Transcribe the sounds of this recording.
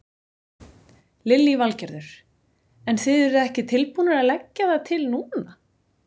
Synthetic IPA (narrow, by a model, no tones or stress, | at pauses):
lɪljivalcɛɾðʏɾ̥ | ɛnθɪðɛɾʏðɛhcɪt̪ʰɪlpuːnaɾaðlɛcːaðaðt̪ʰɪlnuːna